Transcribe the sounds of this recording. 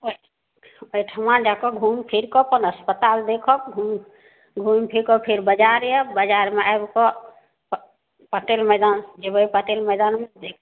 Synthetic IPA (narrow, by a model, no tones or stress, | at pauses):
o | ojʈʰəmãd͡ʒakɔɡʱumpʰiɾkɔpənəspət̪ald̪ekʰɔbɡʱum | ɡʱumpʰiɾkɔpʰeɾbəd͡ʒaɾjɛbəd͡ʒaɾmeʔajbkɔ | pəʈelməjd̪and͡ʒebəipəʈelməjd̪anmed̪ekʰ